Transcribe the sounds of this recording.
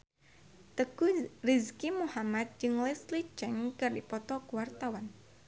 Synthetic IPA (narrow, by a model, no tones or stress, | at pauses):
t̪əkurizkimuhamat̪̚d͡ʒɨŋlɛslit͡ʃɛŋkɨrdipɔt̪ɔkuwart̪awan